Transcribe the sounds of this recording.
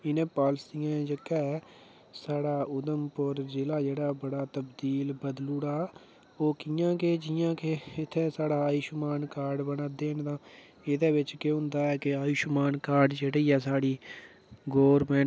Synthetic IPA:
ɪnẽːpaːlsijãːd͡ʒəkːɛː | saːɽaːʊd̪əmpʊɾd͡ʒɪlaːd͡ʒeːɽaːbəɽaːt̪əbd̪iːlbəd̪luːɽaː | oːkijãːked͡ʒɪjãːkeɪt̪ʰːẽːsaːɽaːaːiːʃʊmaːnkaːɾɖbənaːd̪eːnt̪ãː | ɪd̪eːbɪt͡ʃkeːɦʊ̃nd̪aːɛːkɪaːiːʃʊmaːnkaːɾɖd͡ʒeːɽeiːɛːsaːɽiː | ɡoːʋɾmɛ̃ːɳ

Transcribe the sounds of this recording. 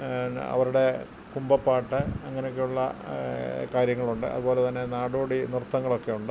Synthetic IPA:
ɐ̰ʋɐɾuɽe̞ | kumbɐpːaːʈːɨɐŋːɐnejok̬ːejuɭːɐ | kaːɾjɐŋːɐɭuɳɖɨʔɐ̰ðubo̞ːlet̪ɐnːe̞naːɽoːɽinirut̪ːɐŋːɐɭo̞kːe̞juɳɖɨ

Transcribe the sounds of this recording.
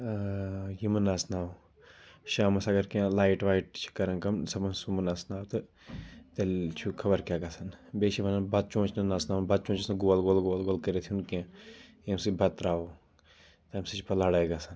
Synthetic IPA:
jimɨnasnaːw | ʃaːmɐsɐɡɐɾkãlaːiʈʋaːiʈ̚t͡ʃʰi̥kɐɾɐ̃nkɐmsɐmɐnsumɐnasnaːwt̪ɨ | t̪ɐlt͡ʃʰukʰɐbɐɾkʲaːɡɐsɐnbeːʃibɐnanbɐd̪̚t͡ʃõːt͡ʃʰnɐnaːsnaːnbɐd̪̚t͡ʃõːt͡ʃisnɐɡoːlɡoːlɡoːlɡoːlkɐɾet̪ʰunkãjɐmsɨbʱɐt̪ɾaːo | t̪ɐmsit͡ʃʰpɐlaːɽajɡɐsɐn

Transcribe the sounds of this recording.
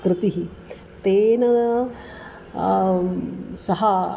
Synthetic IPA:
kɾɪt̪iɦi | t̪eːnɐ | sɐɦɐ

